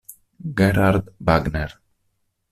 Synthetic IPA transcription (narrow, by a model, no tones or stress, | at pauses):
ɡeɾaɾd̪baɡneɾ